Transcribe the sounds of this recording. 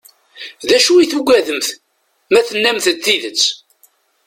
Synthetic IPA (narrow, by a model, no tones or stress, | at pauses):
ðæʃuiθuɡʷæðəmθ | mæθənːæmθəd̪θiðət͡sː